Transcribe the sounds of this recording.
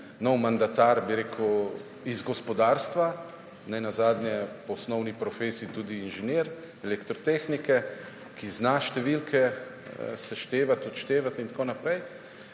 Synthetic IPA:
nɔwmand̪at̪aɾbiɾeːkʰw | izɡɔspɔd̪aːɾst̪ʋa | nɛjnazaːd̪nʲjɛpɔɔsnɔwnipɾɔfeːsiːt̪uːd̪iːnʒɛneːɾ | ɛlɛkt̪ɾɔt̪eːxnikɛ | kiznaʃt̪ɛʋilkʰɛ | sɛʃt̪eːʋat̪ɔt̪ʃt̪eːʋat̪int̪koːnapɾɛj

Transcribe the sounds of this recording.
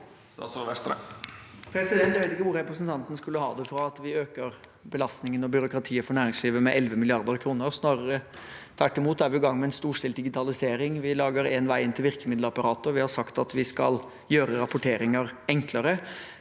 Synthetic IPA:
sʋɛst̪ɾə̰ | pʰɾɛsɪd̪ɛnt̪jʋeɪt̪ɪkːəʋʊɾɾɛpɾəsnt̪ɑnt̪nəskʉlːəhɑ̰ːd̪ɛfɾɑɑt̪ʋɪøːkəɾ | bəlɑst̪nɪŋənɔbjʏɾʊkɾɑt̪ʰiːəfɔɳæːɾɪŋsliːʋəmɛʔɛlʋəmɪlɪɑɾd̪əɾkʰɾuːnəsnɑːɾəɾət̪ʰæʈːɪmuːt̪̚d̪æɾʋɪɔɡɑŋːmɛɛnst̪uːʂɪld̪ɪɡɪt̪ʰɑlɪseːɾɪŋʋɪlɑːɡəɾenʋæɪɪnt̪ɪlʋɪɾkəmɪd̪ləɑpɑɾɑːt̪əɔʋɪhɑsɑkt̪ɑt̪ʋɪskɑ̰l | jøːɾəɾɑpʊʈʰeːɾɪŋəɾɛŋkləɾə

